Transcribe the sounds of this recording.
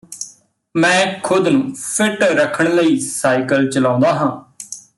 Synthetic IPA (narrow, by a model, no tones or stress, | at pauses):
mɛ̃ːkʰʊd̪nũːpʰɪʈɾəkʰəɳ̃ləiːsaːikəlt͡ʃəlãːʊ̃nd̪aːɦãː